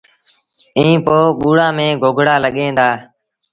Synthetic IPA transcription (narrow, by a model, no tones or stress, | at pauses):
ĩːpoːɓuːɽaːmẽːɡʱoːɡʱɽaːləɠẽːd̪aː